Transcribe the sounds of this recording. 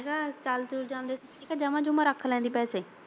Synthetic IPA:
ɡaːt͡ʃalt̪uːɾd͡ʒãːnd̪eːs | eːkaːd͡ʒəʋãːd͡ʒʊmãːɾəkʰlɛ̃ːnd̪iːpɛːseː

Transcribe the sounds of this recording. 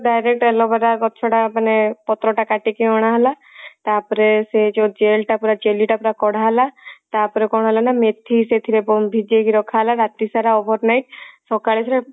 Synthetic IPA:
ɖajɾek̚ʈɛlɔbaɾakɔt͡ʃʰɔʈapanepɔt̪ɾɔʈakaʈikeɔɽ̃aɦɔla | t̪apɔɾesed͡ʒod͡ʒelʈapuɾad͡ʒeliʈapuɾakɔɽ̤aɦɛlat̪apɔɾekɔɽ̃ɔɦɔlanamet̪ʰːiset̪ʰiɾebɔmbʱid͡ʒekiɾɔkʰaɦlaɾat̪isaɾaobʱɔɾnajʈ̚sɔkaɭeɾe

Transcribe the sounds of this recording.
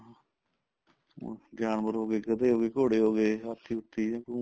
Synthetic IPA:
ɡjaːnbəɾɦoːɡeːɡəd̪eːɦoːɡeːkoːɽeːɦoːɡeːət̪ʰːiːʊt̪ʰːiːãːkː

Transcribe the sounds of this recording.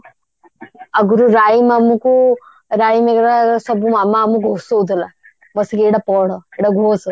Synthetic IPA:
ɐɡɾuɾaːjimamuku | ɾaːimeɡɾaɾsɐbumamːaːmuɡʱosoud̪əla | bəsikeɽapɔɽəeɽaɡʱoːs

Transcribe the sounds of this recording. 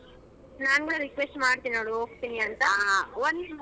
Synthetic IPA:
naːnɡɐɭeɾikʋesʈmaːɽt̪iːninoɽuɦoːɡ̚t̪iniɐnt̪ɐʋond̪

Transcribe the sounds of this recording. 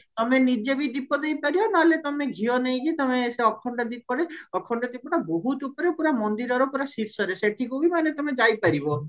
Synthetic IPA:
t̪ɔmenid͡ʒebiɖipɔd̪ejpaɾibɔnaɦlet̪ɔmeɡʱionejɡit̪ɔmeseɔkʰɔɳɖɔd̪ipɔɾeɔkʰɔɳɖɔd̪ipɔɽaboɦut̪upɔɾepuɾamɔnd̪iɾɔɾɔpuɾasiɾsɔɾeseʈʰikubimanet̪ɔmed͡ʒajpaɾibɔ

